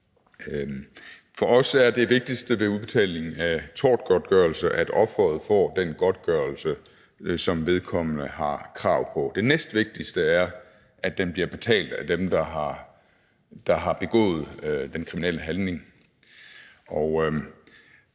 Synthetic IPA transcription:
fɒ̽ʔɒ̽sæɐd̥e̝ʋe̝ɡ̥̚d̥isd̥əʋe̝uðˠb̥e̝t͡sʰɛ̰ːɪle̝ŋn̩æt͡sʰɒ̰ːd̥ɡ̥ɒd̥ɡ̥œːɐl̩səʔæd̥ɒ̽b̥fɒð̞̩ˠfɒ̰ːd̥enɡ̥ɒ̽d̥ɡ̥ɶːɐlsə | sɒ̽mʋe̝ð̞ˠkʰɒ̽m̰nəhɑ̈kʰʁɑ̈ʊ̰pʰɒ̽d̥e̝nesd̥ʋe̝ɡ̥̚d̥isd̥əæɐ | ʔædd̥enb̥liɐb̥e̝t͡sʰɛ̰ːld̥æd̥emd̥ɑ̈ɦɑ̈ | d̥ɑ̈ɦɑ̈b̥e̝ɡ̥ɔ̰̽ːð̞̩ˠd̥enkʰʁiminel̰əɦænne̝ŋ | ɒʊ

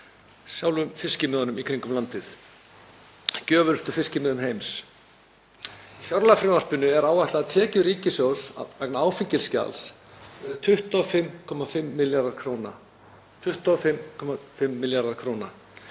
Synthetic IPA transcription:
sjawlʏmfɪscɪmːðʏnʏmikʰɾiŋkʏmlant̪ɪθ | cœːvʏlst̪ʏfɪscɪmœːðʏmɦejms | fjɔɾlafɾɪmar̥pʏnʏɛɾaːwaht̪aðt̪ʰɛːcʏɾiːcɪsjɔwsa̰vɛknaaːwfiɲcɪlsca̰ls | ɛɾðʏt̪ʰʏht̪ɔfɪmːkʰɔmafɪmːɪljaɾðaɾkʰɾowna | t̪ʰʏht̪ɔfɪmkʰɔmafɪmːɪljaɾðaɾ̥kʰɾowna

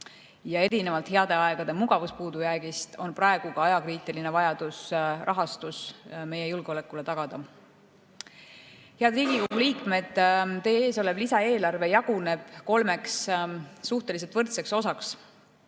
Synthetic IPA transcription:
jɑe̞ɾine̞vɑlt̪ˑheɑd̪̥e̞ɑe̞ɡ̥ɑd̪̥e̞muɡɑvuspuːd̪ujæɡist̪o̞nprɑe̞ɡ̥ukɑɑjɑkriːt̪ˑiline̞vɑjɑd̪usrʔɑɦɑst̪usme̞je̞julɡ̥eole̞kːˑule̞t̪ɑɡ̥ɑd̪̥ɑ | he̞ɑd̪riːɡ̥iko̞ɡ̥uliːkme̞d̪̥t̪e̞ːeːso̞le̞blisɑe̞ːlɑrve̞jɑɡ̥une̞b̥ko̞lmekssuht̪e̞lis̬e̞t̪vɤrt̪se̞kso̞sɑks

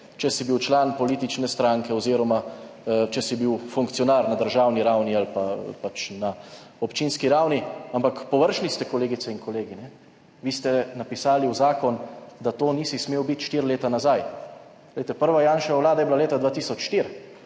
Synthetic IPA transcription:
t͡ʃɛsibiwt͡ʃlaːnpɔliːt̪it͡ʃnɛst̪ɾaŋkɛɔziːɾɔmat͡ʃɛsibiwfuŋkt̪sijɔnaɾnad̪əɾʒaːwniɾawnialpapat͡ʃna | ɔpt͡ʃiːnskiɾawniampakpɔʋəɾʃnist̪ɛkɔleːɡit̪sɛiŋkɔleːɡinɛ | ʋiːst̪ɛnapisaːliwzaːkɔnd̪at̪oːnisismeːwbit̪ʃt̪iːɾleːt̪anazaj | d̪ɛjt̪ɛpəɾʋajaːnʃawlaːd̪ajɛblaleːt̪ad̪ʋaːt̪isɔt͡ʃʃt̪iɾ

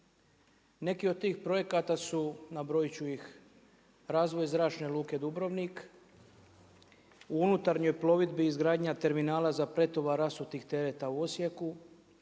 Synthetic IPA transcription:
ne̞kiod̪̚t̪iːxpɾo̞je̞kat̪asunabɾojt͡ɕuix | ɾaːzʋo̞jzɾaːt͡ʃne̞lˠuːke̞d̪ubɾo̞ʋnik | uunut̪aɾɲo̞jplˠo̞ʋid̪biːzɡɾaːd̪ɲat̪e̞ɾminaːlazapɾe̞t̪o̞ʋaɾasut̪iːxt̪e̞ɾet̪auo̞sjeku

